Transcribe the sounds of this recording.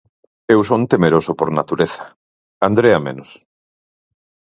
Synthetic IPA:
ewsont̪emeɾosopoɾnat̪uɾeθḁ | and̪ɾeamḛnos

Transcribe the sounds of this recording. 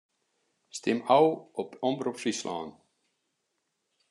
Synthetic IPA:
st̪ɪmawɔpɔmbɾopsisla̰ːn

